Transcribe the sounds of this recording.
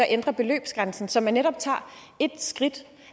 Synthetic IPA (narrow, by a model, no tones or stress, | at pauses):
æʔend̥ʁɐb̥e̝lø̰ːb̥sɡ̥ʁänsn̩sɒ̽mænːeɾɒ̽b̥̚t͡sʰɑ̰̈ː | e̝d̥sɡ̥ʁid̥